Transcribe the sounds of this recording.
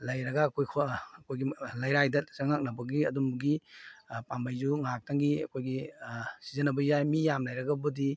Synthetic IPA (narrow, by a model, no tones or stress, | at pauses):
lɐjɾɐɡaːkʰojkʰoɐkojɡilajɾajdɐsaŋak̚nɐbɐɡiɐdumbuɡi | pambajzuŋak̚taŋɡiɐ̰kʰojɡisizɐnɐbɐjajmijamlajɾɐɡɐbudi